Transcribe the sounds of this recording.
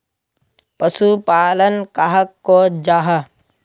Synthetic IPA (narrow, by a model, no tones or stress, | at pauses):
pəsupaːlənkaɦəkːod͡ʒaːɦɐ